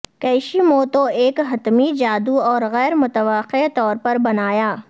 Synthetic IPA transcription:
kɛːɪʃimoːt̪oeːkɦɐt̪mid͡ʒaːd̪uɔːɾɣɛːɾmʊt̪əʋaqet̪ɔːɾpɐɾbɐnaːjaː

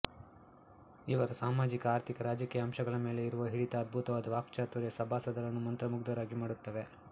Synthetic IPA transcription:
iʋɐɾɐsaːmaːd͡ʒikɐaːɾt̪ʰikɐɾaːd͡ʒɐkiːjɐːmʃɐɡɐɭɐme̞ːle̞iɾuʋɐɦiɽit̪ɐːd̪̚bʱut̪ɐʋaːd̪ɐʋaːkt͡ʃaːt̪uɾjɐsɐbʱaːsɐd̪ɐɾɐnːumɐnt̪ɾɐmuɡd̪ɐɾaːɡimaːɽut̪ːɐʋe̞

